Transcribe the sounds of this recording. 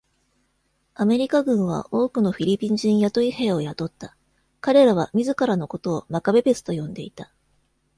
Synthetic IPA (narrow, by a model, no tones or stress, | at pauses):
ame̞ɾʲikaɡɯ̟̃ɰ̃β̞a̰ʔo̞ːkɯ̟no̞ɸʲiɾʲipʲĩɲd͡ʑĩɰ̃jat̪o̞ihe̞ːo̞jat̪o̞t̪ːa | kaɾe̞ɾaβ̞amʲizɨkaɾano̞ko̞t̪o̞ːmakabe̞be̞t͡sɨ̥t̪o̞jõ̞nd̪e̞it̪ḁ